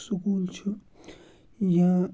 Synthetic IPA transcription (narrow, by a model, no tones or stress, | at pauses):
sukuːlt͡ʃʰu | jã